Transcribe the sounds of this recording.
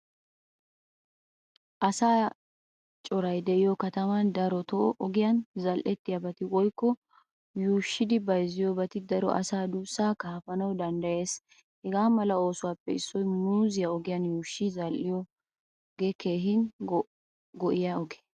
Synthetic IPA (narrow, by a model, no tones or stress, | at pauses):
ʔɐsaː | t͡ʃʼɔɾɐjd̪ɛʔɪjɔkɐt̪ɐmɐnd̪ɐɾɔt̪ɔʔɔʔɔɡɪjɐnzɐlʔɛt̪ːɪjabɐt̪ɪwɔjkːɔ | juːʃːɪd̪ɪbɐjzɪjɔbɐt̪ɪd̪ɐɾɔ̰ʔɐ̰saːd̪uːsːaːkaːfɐnɐwd̪ɐnd̪ɐjeːs | hɛɡaːmɐlɐo̞ːsʊwaːpːɛɪsːɔjmuːzɪjɐɔɡɪjɐnjuːʃːizɐlʔɪjɔ | ɡeke̞ːɦɪn | ɡɔʔɪjaɔɡe̥